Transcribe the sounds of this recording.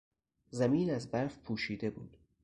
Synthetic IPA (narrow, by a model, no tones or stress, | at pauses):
zæmiːnæzbæɾfpʰuːʃiːd̪e̞bṵːd̪̥